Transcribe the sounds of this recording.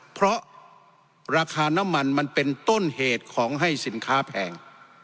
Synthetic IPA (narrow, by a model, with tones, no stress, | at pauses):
pʰɾɔ˦˥ʔ | ɾaː˧kʰaː˧na˦˥mːa˧nma˧npe˧nt̪o˥˩nheː˨˩t̪̚kʰɔː˩˦ŋɦa˥˩jsi˩˦nkʰaː˦˥pʰɛː˨˦ŋ